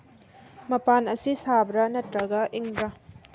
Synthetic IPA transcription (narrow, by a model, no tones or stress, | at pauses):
mɐpanɐsisabɾɐnɐtɾɐɡɐʔiŋbɾɐ